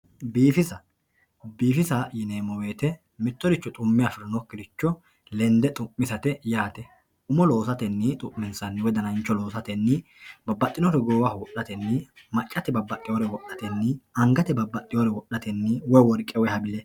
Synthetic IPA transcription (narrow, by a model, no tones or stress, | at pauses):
biːfɪsɐ | biːfɪsɐjɪneːmɔwe̞ːt̪ɛ | mɪt̪ːɔɾɪt͡ʃːɔt̪ʼʊmːɪjafɪɾɔnɔkːɪd̪ɪt͡ʃːɔ | lɛnd̪ɛt̪ʼʊmːɪsɐt̪ɛjaːt̪ɛ | ʊmɔlo̞ːsɐt̪ɛnːɪt̪ʼʊʔːɛnsɐnːɪwɔjd̪ɐnɐnt͡ʃːɔlo̞ːsɐt̪ɛnːɪ | bɐbːɐt̪ʼːɪnɔɾɛɡoːwɐwɔʔɐt̪ɛnːɪ | mɐt͡ʃʼːɐt̪ɛbɐbːɐt̪ʼːɪjoːɾɛwɔʔɐt̪ɛnːɪɐŋɡɐt̪ɛbɐbːɐt̪ʼːɪjoːɾɛwɔɗɐt̪ɛnːɪwɔjwɔɾkʼɛwɔjhɐbɪlɛ